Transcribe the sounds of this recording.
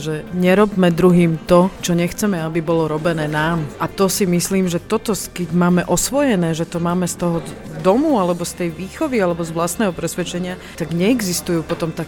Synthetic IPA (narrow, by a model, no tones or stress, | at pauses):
ʒɛɲɛɾɔbmɛd̪ɾuɦiːmt̪ɔt͡ʃɔɲɛxt͡sɛmɛabibɔlɔɾɔbɛnɛːnaːmʔat̪ɔsimisliːmʒɛt̪ɔt̪ɔskɛɟmaːmɛʔɔsʋɔjɛnɛːʒɛt̪ɔmaːmɛst̪ɔɦɔd̪ɔmualɛbɔst̪ɛjʋiːxɔʋialɛbɔzʋlast̪nɛːɦɔpɾɛsʋɛt͡ʃɛɲɪa | t̪aɡɲɛːɡzist̪ujuːpɔt̪ɔmt̪a